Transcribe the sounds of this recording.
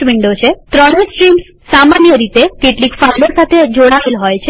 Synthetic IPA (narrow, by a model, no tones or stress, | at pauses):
ʋiɳɖot͡ʃʰet̪ɾəɽ̃esʈɾimsːamanjəɾit̪ekeʈlikfaɾɖosat̪ʰed͡ʒoɽ̃aʋelɦɔjt͡ʃʰe